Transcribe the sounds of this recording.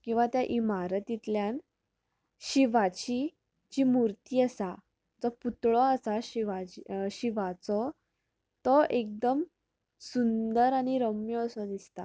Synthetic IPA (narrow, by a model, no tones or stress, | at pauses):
kĩw̃ʋat̪jaʔimaɾət̪it̪ljãn | ɕiʋat͡ɕi | t͡ɕimuɾt̪iːasa | d͡zɔput̪ɭɔasaɕiʋad͡ʑɕiʋat͡sɔ | t̪ɔʔek̚d̪əm | sund̪əɾaɽ̃iɾəmjɔːsɔd̪ist̪a̰